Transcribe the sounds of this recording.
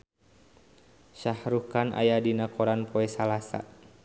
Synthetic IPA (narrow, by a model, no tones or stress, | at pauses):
ʃahɾukanʔa̰jadinakɔɾanpʰɔɛsalasa̰